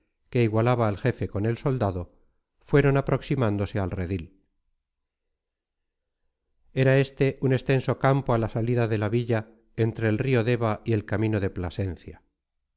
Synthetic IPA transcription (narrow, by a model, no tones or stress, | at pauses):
ke̞iɣwalaβaːlxe̞fe̞ko̞ne̞lso̞ld̪aðo̞ | fwe̞ɾo̞napɾo̞ksimãnd̪o̞se̞alreðil | e̞ɾae̞st̪e̞ʔune̞st̪e̞nso̞kampo̞alasaliðaðe̞laβiʎa | e̞nt̪ɾe̞ːlrio̞ðe̞βaie̞lkamĩno̞ðe̞plase̞nθja